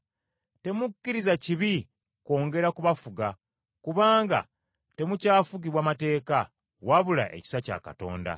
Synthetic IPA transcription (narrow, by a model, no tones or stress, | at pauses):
te̞mukːiɾizaciβi | ko̞ːŋɡe̞ɾakuβafuɡa | kuβaːŋɡa̰ | te̞mucaːfuɡiβwaːmate̞ːka | waβula̰ʔe̞̰ci̥saca̰ka̰to̞̰ːnda̰